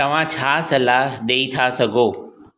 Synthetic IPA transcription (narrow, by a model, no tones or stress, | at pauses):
ɐʋ̤ãt͡ɕʰaːsɐlaɗeit̪ʰasɐɡʱoː